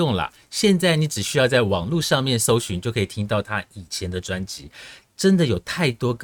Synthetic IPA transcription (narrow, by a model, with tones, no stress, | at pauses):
ʊ˥˩ŋlə̰˩ | ɕjɛ˥˧nt͡sa˥˩ɪni˧˥ʈ͡ʂɻ̩˨˩ɕy˥jɑ˥˧ʊt͡sa˥˩ɪwɑ˨˩ŋlu˥˧ʂɑ˥˧ŋmjɛ˥˨nʂo˥ʊɕy˧˦nt͡ɕjo˥˩ʊkʰə˧˥i˨t̪ʰi˥ŋt̪ɑ˥˩ʊt̪ʰa˥i˨˩t͡ɕʰjɛ˧˥nd̪ə˨ʈ͡ʂwa˥nt͡ɕi˧˦ | ʈ͡ʂə˦˥nd̪ə˨jo˨˩ʊt̪ʰa˥˩ɪt̪wɔ˥ɡ